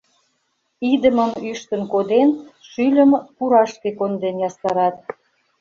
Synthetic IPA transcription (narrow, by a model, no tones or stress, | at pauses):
id̪əməmyʃt̪ənkod̪enʃylʲəmpuɾɑʃkekond̪enjɑst̪ɑɾɑt̪̚